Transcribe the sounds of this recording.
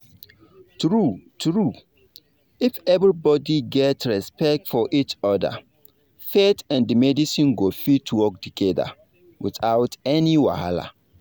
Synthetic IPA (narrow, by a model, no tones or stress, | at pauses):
tɹutʰɹu | ifɛvɹibɔdiɡɛtɹɛspɛk̚tfɔʔit͡ʃɔdə̰ | fetãndimɛdisĩnɡofitʰwɔk̚tuɡ̥ɛdə̰ | wḭθaʊtɛniwa̰ha̰la̰